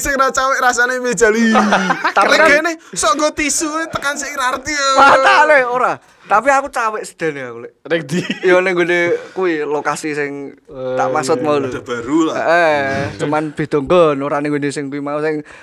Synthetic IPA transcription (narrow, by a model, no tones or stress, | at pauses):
sɪŋɾat͡ʃawɪʔɾasaneme̥d͡ʒ̥a̤lit̪aaɡenehsɔŋɡɔt̪isuet̪əkansɪiɾart̪ibaaleoɾa | t̪apiakut͡ʃawɪʔsə̥d̪̥a̤neakuleʔɾekd̪ijoneŋɡonekuwilokasisɪŋt̪a̰ʔmasʊt̪̚mauludb̥aɾulaʔet͡ʃumanb̥e̤d̪̥ɔ̤ŋɡɔnoɾaneŋɡonesɪŋkuwimausɪŋ